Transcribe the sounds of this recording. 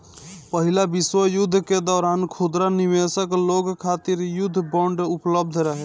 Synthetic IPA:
pəɦilabiswəjud̪ʱːked̪ɔːɾankʰud̪ɾanimesəkloɡkʰat̪iɾjud̪ʱːbɔɳɖupləb̚d̪ʱɾəɦɛ

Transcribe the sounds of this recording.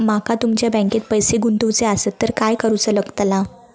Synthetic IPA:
makat̪umt͡ɕjabɛ̃ŋket̪̚pəjseɡunt̪uʋt͡seasət̪ːəɾkajkəɾut͡sələɡt̪la

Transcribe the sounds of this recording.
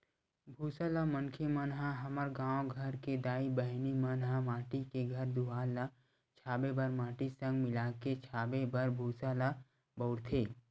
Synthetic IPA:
bʱuːsalamənkʰemənɦãɦɐməɾɡãːwɡʱəɾked̪aːibəɦnimənɦamaːʈikeɡʱɐɾd̪uɦaːla | t͡ʃʰaːbebəɾmaːʈisə̃ŋɡmɪlaːket͡ʃʰaːbebəɾbʱuːsaːla | bəʊɽt̪ʰeː

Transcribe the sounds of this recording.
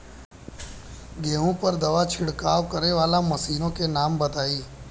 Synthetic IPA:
ɡeːɦõpɐɾd̪ɐʋat͡ʃʰɪɽkaːʋkɐɾneʋaːlamɐsiːnõkenaːmbɐt̪aːiː

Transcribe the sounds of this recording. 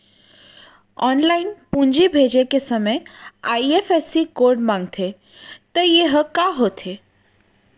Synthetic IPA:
ɔːnlaɪnpũɲd͡ʒibʱed͡ʒekesəməjaiefʰesikoɾɖmãŋɡt̪ʰe | t̪əjeɦəkaɦot̪ʰe

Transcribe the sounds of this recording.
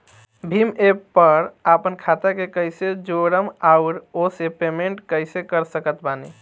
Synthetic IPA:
bʱimepːəɾapənkʰat̪akekəjsed͡ʒoɾəmaʊɾosepemeɳʈkəɪsekəɾsəkət̪bani

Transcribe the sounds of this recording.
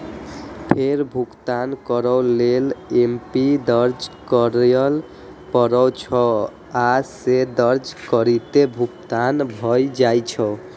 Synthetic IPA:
pʰeɾbʱukt̪ankɔɾɔwlelempid̪əɾd͡ʒkɔɾjəl | pɔɾɔt͡ʃʰɔ | ased̪əɾd͡ʒkɔɾit̪ebʱukt̪anbʱɔjd͡ʒajt͡ʃʰɔ

